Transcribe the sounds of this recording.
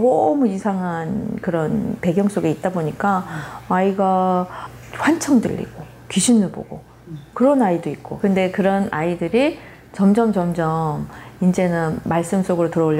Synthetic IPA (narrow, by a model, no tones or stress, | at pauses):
omuisʰaŋɦankɯɾʌnpe̞ɡjʌŋs͈oɡeit̚t͈aboɲik͈aaiɡa | ɸwant͡ɕʰʌŋdɯ̰ʎːḭɡ̥o | kiɕʰinːɯɭbo̰ɡo | kɯɾʌnaidoit̚k͈o̰kɯnde̞kɯɾʌnaidɯɾi | t͡ɕʌmd͡ʑʌmt͡ɕʌmd͡ʑʌmind͡ʑe̞nɯnmaɭs͈ɯms͈oɡɯɾotɯɾʌoɭː